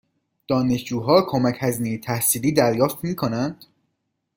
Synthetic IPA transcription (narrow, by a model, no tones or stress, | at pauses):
d̪̥ɒːne̞ʃd͡ʒuːɦɒːkʰo̞mæcʰhæzinejet̪ʰæhsiːliːd̪æɾjɒːft̪miːkʰonænd̪̥